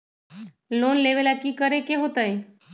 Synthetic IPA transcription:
loːnleʋelakiːkəɾekeɦoːt̪ae

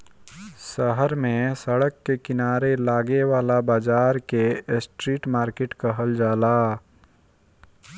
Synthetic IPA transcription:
səɦəɾmẽsəɽəkːekɪnaːɾelaːɡeʋaːlabaːd͡ʒaːɾkesʈɾiːʈmaːɾkeːʈkəɦəld͡ʒaːlaː

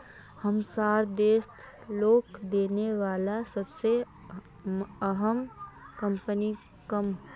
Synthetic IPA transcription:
həmsaːɾd̪eːst̪ʰ | loːkd̪eːneʋaːlasəbse | əɦəmkəmpəni | kəm

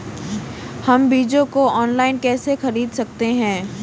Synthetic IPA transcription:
hɐmbiːd͡ʒõkoɔːnlaːɪnkɛːsexɐɾiːd̪sɐk̚t̪eɦɛ̃ː

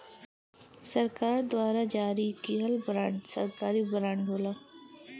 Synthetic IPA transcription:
sɐɾkaːɾd̪waːɾad͡ʒaːɾikiɦɐlbɾãːɳɖsɐ̰ɾkaːɾibɾãːɳɖɦoːlaː

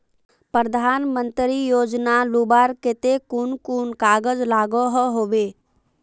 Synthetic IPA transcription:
pɾɾəd̪ʱaːnmə̃nt̪ɾijoːd͡ʒnalubaːɾket̪ekunkunkaːɡəd͡ʒlaːɡoɦɔɦoːbeː

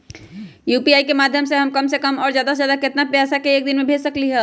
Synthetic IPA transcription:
juːpiaːikemaːd̪ʱjəmseɦəmkəmsekəmɔːɾzjaːd̪ajaːd̪akɪt̪napɾjaːsakeeːk̚d̪ɪnmẽbʱeːsəkliɦɛ

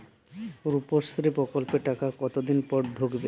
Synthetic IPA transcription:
ɾupost̪ɾipɾɔkolpeʈakakɔt̪od̪inpɔɾɖ̪ʱoɡbe

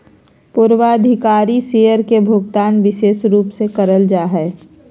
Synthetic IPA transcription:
pʊɾwaəd̪ʱɪkaːɾisejəɾkebʱʊɡt̪aːnʋɪʃeːsɾuːpsekəɾəld͡ʒaːɦɛː

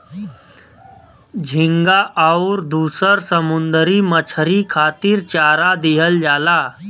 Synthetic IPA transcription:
d͡ʒʱɪŋɡaʔaʊɾd̪uːsəɾsəmʊnd̪əɾimət͡ʃʰəɾikʰaːt̪iːɾt͡ʃaːɾad̪eːɦəld͡ʒaːlaː

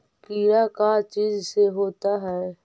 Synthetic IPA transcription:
kiːɾakat͡ʃiːzseɦoːt̪aɦɛː

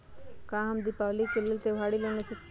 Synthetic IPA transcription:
kãːɦɐmd̪ipaʋlikelɪlt̪eʋ̤aːɽileñese

